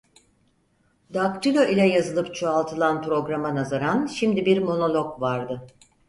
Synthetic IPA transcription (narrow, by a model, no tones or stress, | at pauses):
d̪akɾilʲoʔilʲɛjazɯlˠɯpt͡ʃʰoalˠt̪ʰɯlˠanpɾo̞ɡɾamanazaɾanʃimd̪ibiɾmo̞no̞lʲˠo̞kvaɾd̪ɯ